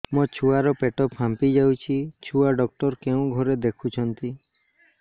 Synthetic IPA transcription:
mɔt͡ʃʰuaɾɔpeʈɔpʰãmpid͡ʒawt͡ʃʰit͡ʃʰuaɖɔk̚ʈɔɾkeũɡʱɔɾed̪ekʰut͡ʃʰɔnt̪i

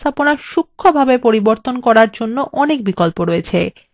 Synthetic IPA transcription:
t̪ʰaponaʃukʰːobʱabepoɾiboɾt̪onkɔɾaɾd͡ʑonːoʔɔnek̚bikolpoɾoet͡ɕʰe

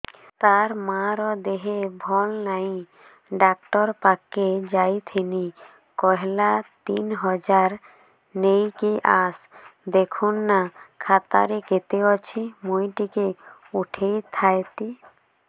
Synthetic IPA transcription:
t̪aɾmaɾɔd̪eɦebʱɔlnaĩ | ɖak̚ʈɔɾpaked͡ʒajt̪ʰeni | kɔɦelat̪inɦɔd͡ʒaɾ | nejkiʔasd̪ekʰunːakʰat̪a̰ɾeket̪eɔt͡ʃʰimujʈikeuʈʰejt̪ʰajt̪i

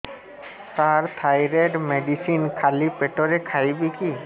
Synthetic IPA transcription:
t̪aɹt̪ʰajɹɛdmedisinkʰalipɛʈɔɹɛkʰaibiki

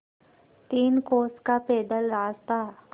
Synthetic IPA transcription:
t̪iːnkoːskapeːd̪əlɾaːst̪a

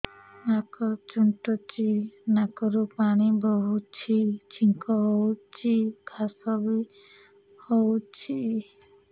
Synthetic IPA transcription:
nakɔɾt͡ʃuɳʈɔt͡ʃinakɔɾupaɽ̃ibɔɦut͡ʃʰit͡ʃʰiŋkɔɦowt͡ʃʰikʰasɔbi | howt͡ʃʰi

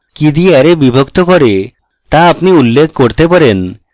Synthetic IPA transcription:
kid̪iɛɾebibʱokt̪okɔɾe | t̪aapniulːekʰːkoɾt̪epaɾen

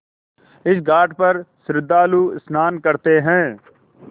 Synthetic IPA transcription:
ɪsɡaːʈpəɾsɾɪd̪ːaːluːɪsnaːnkəɾt̪eɦɛ̃ː

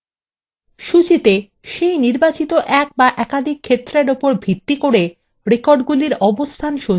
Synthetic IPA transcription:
ʃut͡ɕit̪e | ʃejniɾbat͡ɕit̪oʔɛk̚baʔɛkad̪ʱikʰːet̪ːɾeɾopoɾbʱit̪ːikoɽe | ɾekoɾɖɡuliɾɔbost̪ʰanʃo

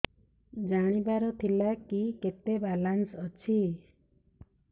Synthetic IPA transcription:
d͡ʒaɽ̃ibaɾɔt̪ʰilakiket̪ebalansɔt͡ʃʰi

